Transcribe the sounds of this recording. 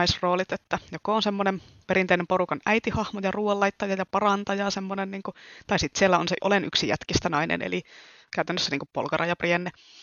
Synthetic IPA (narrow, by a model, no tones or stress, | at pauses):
isroːlit̪et̪ːæjokoonsemːonem | peɾint̪einemporukɑnæit̪ihɑhmojɑruːɑlːɑit̪ːɑjɑjɑpɑrɑnt̪ɑjɑːsemːonenniːŋkut̪ɑisit̪sielːæonseʔo̰leny̰ksijæ̰t̪kist̪ænɑinḛnḛli | kæyt̪ænːøsːæniːŋkuppo̰lkɑrʔɑjɑprienːe